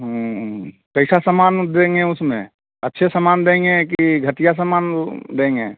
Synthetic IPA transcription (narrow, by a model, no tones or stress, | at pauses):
ɦũ | kəɪsasəmaːnd̪ẽːŋɡẽʊsmḛ̃ | ɐtːʃʰesəmaːnd̪ẽːŋɡekiiɡʱət̪ijas̬əmaːnd̪ẽːŋɡeː